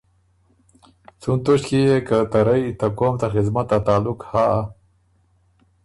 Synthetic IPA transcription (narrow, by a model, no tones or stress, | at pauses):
t͡sunt̪oʃkijekat̪aɾajt̪akomt̪axɪzmat̪at̪aːlʊkhaa